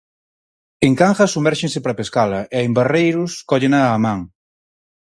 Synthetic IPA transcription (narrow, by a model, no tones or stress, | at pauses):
eŋkaŋxɐsumɛɾʃensepɾapeskalɐʔeaemberejɾʊskɔʎenaːmãŋ